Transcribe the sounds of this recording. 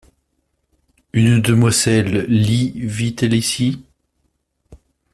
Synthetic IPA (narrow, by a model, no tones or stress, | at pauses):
ynd̪əmwazɛlːivit̪ɛlisi